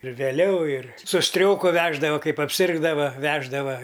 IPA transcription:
ɪr ʋʲeːˈlʲɛʊ ɪr sʊ ˈsʲtʲrʲoːkʊ ˈʋʲæːʒdɐʋɐ ˈkɐɪp ɐpʲˈsʲɪrɡdɐʋɐ ˈʋʲæːʒdɐʋɐ

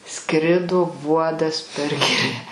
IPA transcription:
ˈskrʲɪdoː ˈʋuɔdɐs pʲɛr ˈɡʲɪrʲæː

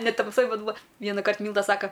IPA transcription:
nʲɛ tɐmˈsoːj ˈbʲɛt ˈbuːɐ ˈʋʲiɛnɐkɐrt ˈmʲiːlˠdɐ ˈsɑːkɐ

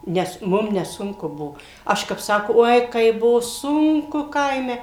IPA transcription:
ˈnʲɛs ˈmʊm nʲɛˈsʊŋkʊ ˈbuɔ ˈɐʃ kɐp ˈsɑːkoː ˈoːɪ ˈkɐɪp ˈbʊʋoː ˈsʊŋkʊ ˈkɐɪmʲɛ

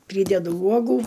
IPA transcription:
ˈpʲrʲiːdʲɛdʊ ˈuɔɡuː

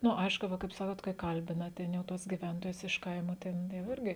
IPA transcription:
ˈnʊ ˈɐɪʃkʊ ˈʋɐ kɐɪp ˈsɑːkoːt kɐɪ ˈkɐlʲbʲɪnɐ ˈtʲɛn jɛʊ ˈtuɔs ɡʲɪˈʋʲɛntoːjʊs ɪʃ ˈkɐɪmoː ˈtʲɛn jɛʊ ˈɪrʲɡʲɪ

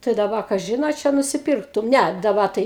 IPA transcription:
tɐɪ dɐˈbɐ kɐˈʒʲɪn ɐ ˈt͡ʃʲɛ nʊsʲɪˈpʲɪrktʊm ˈnʲɛ dɐˈbɐ tɐɪ

